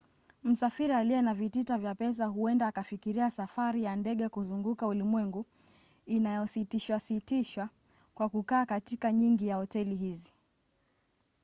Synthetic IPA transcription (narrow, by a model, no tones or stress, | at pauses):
m̩safiɾialiɛnavititavjapɛs̬aɦuɛndaːkafikiɾiasafaɾijandɛɠɛkuzuŋɡukaulimwɛŋɡu | inajɔsitiʃwasitiʃwa | kwakukaːkatikaɲiŋɡijahɔtɛliɦizi